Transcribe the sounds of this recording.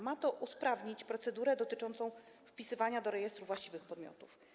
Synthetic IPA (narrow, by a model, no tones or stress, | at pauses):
mat̪ɔʔuspɾavɲit͡ɕpɾɔt̪sɛd̪uɾɛd̪ɔt̪ɘt͡ʂɔnt̪sɔ̃w̃ | fpʲisɘvaɲad̪ɔɾɛjɛst̪ɾuvwaɕt͡ɕivɘxpɔd̪mʲjɔ̰t̪uf